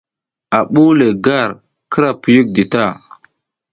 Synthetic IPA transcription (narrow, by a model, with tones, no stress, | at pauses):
a˨ɓu˦le˨ɡa˦˨ɾ | kə˦ɾa˨pu˨ju˦k̚di˨ta˦˨